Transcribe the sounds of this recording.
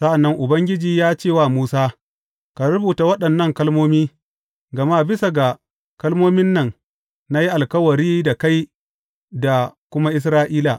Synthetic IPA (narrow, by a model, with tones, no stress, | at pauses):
sɐ˦ʔa˨nːɐ˦ŋʔʊ˨bɐ˦ŋɡʲɪ˦d͡ʒiː˨jaː˦t͡ʃeː˦˨wa˦˨muː˦saː˦ | ka˨ɾʊ˦buː˨ta˨wɐ˦ɗɐ˨nːɐ˦˨ŋkɐ˦lmoː˦miː˦ | ɡɐ˨ma˦bɪ˦sa˨ɡa˨ | kɐ˦lmoː˦mɪ˦nːɐ˨ŋ | na˦ji˦ʔa˨lkɐ˦wɐ˨ɾiː˦da˨ka˦j | da˨kʷʊ˦ma˦ʔɪ˦s̬ɾaː˦ʔiː˦la˨